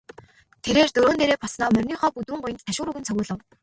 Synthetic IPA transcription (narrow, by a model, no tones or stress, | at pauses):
t̪ʰeɾeːrt̪ɵɾoːnt̪eːɾeːpʰɔsnɔːmœrʲniːχɔːput̪uːɴɢʊjə̆nt̪ʰtʰːaʃʊːɾɵɣɘ̆nt͡sʰœɣʊːɮə̆w